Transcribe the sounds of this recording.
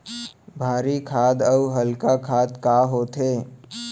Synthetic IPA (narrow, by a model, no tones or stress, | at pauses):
bʱaːɾikʰaːd̪əuɦəlkakʰaːd̪kaːɦoːt̪eː